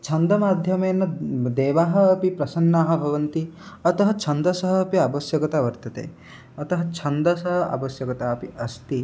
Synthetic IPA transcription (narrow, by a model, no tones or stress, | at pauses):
t͡ʃʰɐnd̪ɐmaːd̪ʱjɐmeːnːɐd̪eːʋaːɦɐ̆ːpipɾɐsɐnːaːɦɐ̆bʱɐʋɐnt̪iɐt̪ɐɦɐt͡ʃʰɐnd̪ɐsɐɦɐːpiɐbɐsjɐɡɐt̪aʋɐɾt̪ɐt̪ḛː | ɐt̪ɐɦɐt͡ʃʰɐnd̪ɐsɐɦɐ̆ɐ̰bɐsjɐɡɐt̪aːɐpiɐst̪i